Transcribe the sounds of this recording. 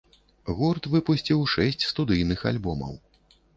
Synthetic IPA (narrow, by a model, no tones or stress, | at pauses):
ɣurt̪vɨpusʲt͡sʲiwʂɛsʲt͡sʲst̪ud̪ɨjnɨxa̰lʲbɔmɐ̰w